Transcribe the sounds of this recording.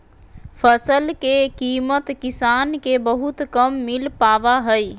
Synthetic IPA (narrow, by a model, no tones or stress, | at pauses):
pʰəsəlkekiːmət̪kisankebəɦut̪kəmːilpaʋaɦəj